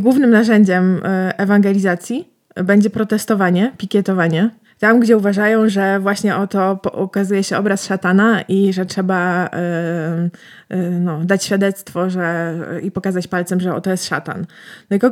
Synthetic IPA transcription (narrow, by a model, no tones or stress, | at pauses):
ɡwuvnɘmnaʐɛɲd͡ʑɛmʔɛvaŋɡɛlʲizat̪sʲji | bɛɲd͡ʑɛpɾɔt̪ɛst̪ɔvaɲɛpʲikʲjɛt̪ɔvaɲɛ | t̪amɡd͡ʑɛuvaʐajɔ̃w̃ʐɛvwaɕɲɛʔɔt̪ɔpɔɔkazujɛɕɛɔbɾasʂat̪anaʔiʐɛtʂɛba | nɔd̪at͡ɕɕfʲjad̪ɛt̪st̪fɔʐɛipɔkazat͡ɕpalt̪sɛmʐɛɔ̰t̪ɔjɛst̪ʂa̰t̪a̰nːɔikɔ